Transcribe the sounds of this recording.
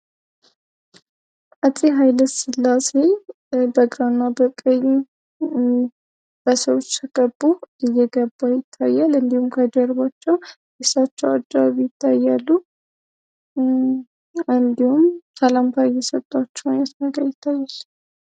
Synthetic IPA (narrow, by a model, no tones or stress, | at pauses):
ʔət̪ʼːiɦajləsɨlːase̞ | bəɡɾanːabəkʼəj | b̥əsəwot͡ʃːt̪ʰəɡ̥əbːuɨjːɛɡəbːajɪt̪ʰːajːalɨnd̪ihumkʰəd͡ʒəɾβat͡ʃːɛw | ɡesat͡ʃːɛwa̰d͡ʒaβjɪt̪ʰːajːalːu | ɨnd̪ihumt̪ʰalamt̪ʰajɛsət̪ʼːat͡ʃːɛwnasnəɡəɾjɪt̪ʰːajːal